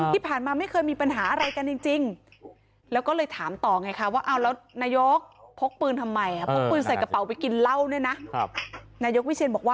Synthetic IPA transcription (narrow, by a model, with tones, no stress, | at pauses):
iː˥˩pʰaː˨˩nmaː˧ma˥˩jkʰɤː˧jmiː˧pa˧nɦaː˩˦ʔa˧ɾa˧jka˧nt͡ɕi˧ŋt͡ɕi˧ŋ | lɛː˦˥wkɔ˥˩lɤː˧jt̪ʰaː˩˦mt̪ɔː˨˩ŋa˧˩jkʰa˦˥waː˥˩ʔa˧˩wlɛː˦˥wnaː˧˩jo˦˥k̚pʰo˦˥k̚pɯː˧nt̪ʰa˧mːa˧ja˧˩pʰo˦˥k̚pɯː˧nsa˨˩jka˧pa˨˦wpa˧jki˧nla˥˩wni˥˩na˦˥ʔ | naː˧jo˦˥k̚wi˦˥t͡ɕʰi˧nmbɔː˨˩k̚waː˥˩